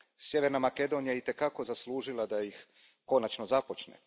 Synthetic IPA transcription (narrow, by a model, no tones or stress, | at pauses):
sje̞ʋeɾnamake̞d̪o̞nijaeit̪e̞kako̞zaslˠuːʒilˠad̪ajix | ko̞nat͡ʃnozapo̞t͡ʃnḛ